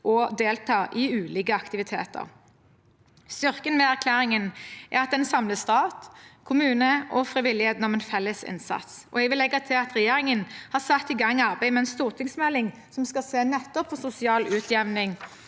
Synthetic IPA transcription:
ʔɔd̪eːlt̪ʰɑːʔɪʉːliːkəɑkt̪ɪʋɪt̪ʰḛːt̪ə̰ʁ | st̪ʏʁkənmɛæʁkʰlæːʁɪŋənʔæ̰ʁɑt̪̚d̪ɛnsɑmləst̪ɑːt̪kʰʊmʉːnəʔɔfʁɪʋɪlːɪheːt̪n̩ɔmɛnfɛlːəsɪ̰nsɑ̰t̪sɔ̰ɛɡʋɪlːɛɡːɑt̪ʰɪlɑt̪ʁɛjeːʁɪŋənhɑʁsɑt̪ːɪɡɑŋːɑʁbæɪmɛɛnst̪uːʁt̪ʰɪŋsmɛlːɪŋ | sɔmskɑseːnɛt̪ːɔpfɔsʊsɪɑːlʉːt̪ʰjɛʋnɪŋ

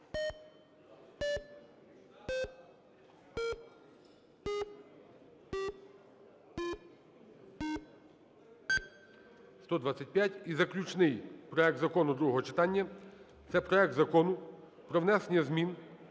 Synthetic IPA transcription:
st̪ɔd̪ʋɑt͡sʲːɐt̚ʲpʲjatʲizɐklʲut͡ʃnɪjpɾɔɛk̚t̪zɐkɔnʊd̪ɾuɦɔɦɔt͡ʃɪt̪ɑnʲːɐ | t̪sɛpɾɔɛk̚d̪zɐkɔnʊ | pɾɔʋnɛsenʲɐzmʲin

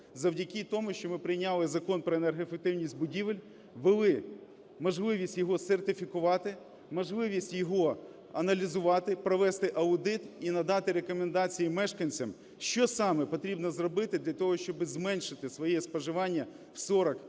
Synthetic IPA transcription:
zɐwdʲɐkʲit̪ɔmʊʃt͡ʃɔmɪpɾɪjnʲɑlˠɪzɐkɔnpɾɔenerɦefek̚t̪ɪwnʲisʲtʲbʊdʲiʋɪlʲ | ʋɪlˠɪ | mɔʒlˠɪʋʲisʲtʲjɔɦɔsert̪ɪfʲikʊʋɑt̪ɪ | mɔʒlˠɪʋʲisʲtʲjɔɦɔ | ɐnɐlʲizʊʋɑt̪ɪpɾɔʋɛst̪ɪʔɐʊd̪ɪt̪inɐd̪ɑt̪ɪɾekɔmend̪ɑt͡sʲijimɛʃkɐnʲt͡sʲɐm | ʃt͡ʃɔsɑmɛpɔt̪ɾʲibnɔzrɔbɪt̪ɪd̪lʲɐt̪ɔɦɔʃt͡ʃɔbɪzmɛnʲʃɪt̪ɪsʋɔjɛspɔʒɪʋɑnʲːɐ | wsɔɾɐk

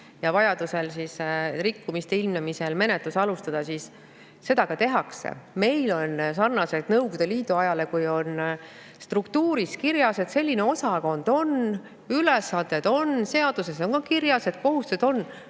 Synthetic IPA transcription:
jɑvɑjɑd̪use̞lsisrikːumist̪eilmnemise̞lme̞ne̞t̪lusɑlust̪ɑd̪̥ɑsis | se̞d̪̥ɑkɑt̪e̞ɦɑksḛme̞jlo̞nsɑrnɑse̞d̪nɤwɡ̥ud̪eliːd̪uɑjɑle̞kujo̞n | st̪rukt̪uːɾiskiɾjɑse̞t̪se̞lʲːine̞o̞sɑko̞nd̪̥o̞n | ylesɑnd̪̥e̞d̪̥o̞nse̞ɑd̪̥use̞so̞ŋkɑkirjɑse̞t̪̚ko̞ɦust̪used̪̥o̞nː

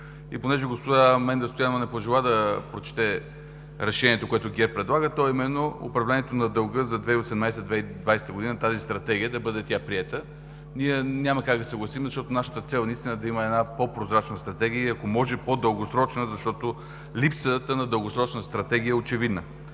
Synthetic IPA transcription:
iponɛʒɛɡospod̪amɛnɡost̪ojanvɐnɛpoʒɛlˠad̪ɐpɾot͡ʃɛ̥t̪ɛ | ɾɛʃɛnʲiɛt̪okoɛt̪ʊɡʲɛɾpɾɛd̪lˠaɡət̪ɔimɛnːoo̰pɾɐvlɛniɛt̪onɐd̪əlˠɡɤzɐd̪vɛiosɛd̪majsɛd̪vɛid̪vajsɛ̥t̪əɡod̪inət̪azist̪ɾɐt̪ɛɡʲiəd̪ɐbɤd̪ɛt̪ʲapɾiɛt̪ə | niɛnʲaməkaɡd̪ɐsɐɡlˠɐsimɛzɐʃt̪ɔt̪onaʃə̥t̪ət̪sɛlˠnɐist̪inəd̪ɐiməɛnapopɾozɾat͡ʃnəst̪ɾɐt̪ɛɡ̟iəɐkomɔʒɛpod̪əlˠɡosɾɔt͡ʃnəzɐʃt̪ɔt̪o | lipsət̪ənɐd̪əlˠɡosɾɔt͡ʃnəst̪ɾɐt̪ɛɡiəɛot͡ʃɛvid̪nə

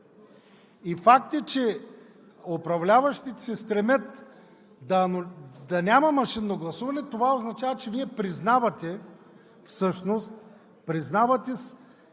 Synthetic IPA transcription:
ifak̚t̪ət͡ʃɛ | opɾɐvlʲavɐʃt̪it̪ɛ̥sɛst̪ɾɛmət̪ | d̪ɐnd̪ɐnʲamɐmɐʃinːoɡlˠɐsuvɐnɛt̪ovaoznɐt͡ʃavɐt͡ʃɛviɛpɾiznavɐt̪ɛ | fsɤʃnost̪̚ | pɾiznavɐt̪ʲɛs

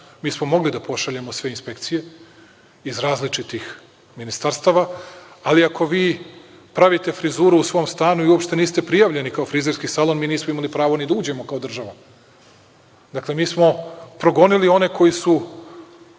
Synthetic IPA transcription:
miːsmo̞mo̞ɡlid̪apo̞ʃaʎemo̞sʋe̞inspe̞kt̪sije̞ | izɾaːzlit͡ʃit̪ix | minist̪aɾst̪aːʋaaliakʰo̞ʋiː | pɾaʋit̪e̞fɾizuːɾuusʋo̞ːmst̪aːnuiuopʃt̪e̞niːst̪e̞pɾijaʋʎe̞nikaofɾizeɾskisalˠo̞nmiːniːsmoimalipɾaːʋo̞nid̪auːd͡ʑe̞mo̞kao̞d̪r̩ʒaʋa | d̪akle̞miːsmo̞pɾo̞ɡo̞nilio̞ne̞ko̞jisu

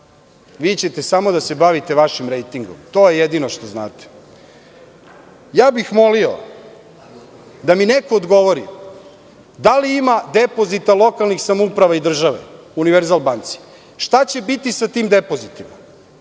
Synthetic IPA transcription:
ʋiːt͡ɕe̞t̪esamo̞d̪ase̞baʋit̪e̞ʋaʃimɾejt̪iŋɡomt̪o̞ːjejed̪inoʃt̪ozna̰ːt̪e̥ | jaːbixmo̞lio̰ | d̪aminekoːd̪ɡo̞ʋoɾi | d̪aliimad̪epo̞zit̪alˠo̞kalˠnixsamoupɾaʋaid̪r̩ʒaʋḛ | uniʋeɾzalbaːnt̪si̥ | ʃt̪at͡ɕe̞bit̪isat̪iːmd̪e̞po̞zit̪ima

